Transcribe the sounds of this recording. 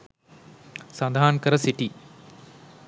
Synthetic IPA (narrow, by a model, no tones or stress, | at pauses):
sɐnd̪ʱaːnkɐɾɐsiʈi